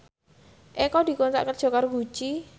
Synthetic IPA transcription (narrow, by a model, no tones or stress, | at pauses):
ʔekɔd̪̥i̤kunt̪a̰ʔkədʒ̥ɔ̤kɔrɡut͡ʃi